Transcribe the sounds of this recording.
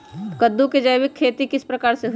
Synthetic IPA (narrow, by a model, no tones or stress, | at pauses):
kəd̪ːuked͡ʒəjʋɪkʰːeːt̪ikɪspɾɐkaːɾseɦ